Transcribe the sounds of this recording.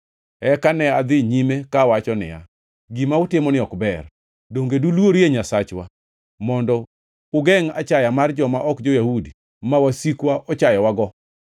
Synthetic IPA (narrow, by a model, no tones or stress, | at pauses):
ɛkanɛad̪ɪɲimekawat͡ʃɔnɪ̰ja̰ | ɡimaʊtɪmɔnɪɔkbɛr | doŋɡedulwoɾeɲasat͡ʃwa | mɔndɔ | ʊɡɛŋat͡ʃajamard͡ʒɔmaʔɔkd͡ʒojahudi | mawasikwaʔɔt͡ʃajɔwaɡɔ